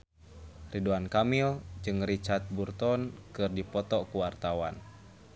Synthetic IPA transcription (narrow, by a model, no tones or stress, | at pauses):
riduankamild͡ʒɨŋɾit͡ʃart̪̚burt̪ɔnkɨrdipɔt̪ɔkuwart̪awa̰n